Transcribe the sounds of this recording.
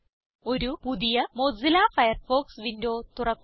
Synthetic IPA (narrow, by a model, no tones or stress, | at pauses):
o̞ɾupuðijɐmoːd͡zilaːfɐjɐrfoːksʋindoːt̪urɐkː